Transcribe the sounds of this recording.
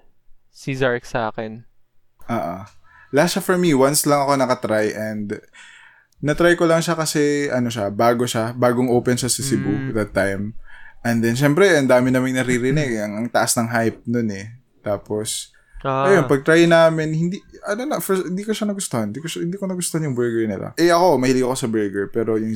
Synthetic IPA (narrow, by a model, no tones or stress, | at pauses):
sizaɹksa̰ːkɛn | ʔaːʔo̰ | lɐaʃafɔɹmiwanslɐŋɐko̞nɐkɐt̪ɾajʔɛnd̪ | nɐt̪ɾajkolɐŋʃakɐsɛʔɐno̞ʃabaːɡo̞ʃabaːɡoŋʔoːpɛnʃasɪsɪbud̪ɐt̪ːajmʔɛnd̪ɛnʃ̬ɛmpɾɛʔɐnd̪aːmɪnaːmɪŋnɐɾiɾɪnɛɡɐŋʔɐŋt̪ɐʔasnɐŋɦajp̚nonɛ | t̪aːpo̞s | ʔɐjo̞npɐɡ̚t̪ɾajnaːmɪnhɪnd̪iʔɐnonɐfɛhɪnd̪iːkoʃanɐɡʊst̪ohɐnd̪iːkoʃahɪnd̪iːkonɐɡʊst̪ohɐnjʊŋbɛɹɡɛɹnɪ̰la̰ʔɛʔɐko̞mɐhɪliɐko̞sɐbɛɹɡɛɹpɛːɾo̞jʊŋ